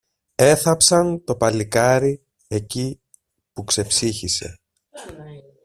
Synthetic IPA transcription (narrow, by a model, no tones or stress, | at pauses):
e̞θɐpsɐnt̪o̞pɐlikɐɾi | e̞ci | pukse̞fsiçise̞̰